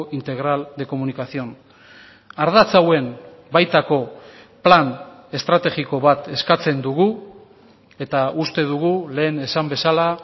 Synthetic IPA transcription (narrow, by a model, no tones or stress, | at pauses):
int̪e̞ɣ̞ɾald̪e̞ko̞munikasio̞n | aɾð̞at͡sawe̞m | bajt̪ako̞ | plane̞st̪ɾat̪e̞ɣiko̞βat̪e̞skat͡se̞nd̪uɣu | e̞t̪aust̪e̞ðuɣ̞ule̞ːne̞sambe̞sala